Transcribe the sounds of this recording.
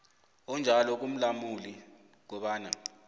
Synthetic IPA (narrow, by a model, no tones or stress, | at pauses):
ɔnd͡ʒʱalɔk̬um̩lamuli | k̬ɔɓaːna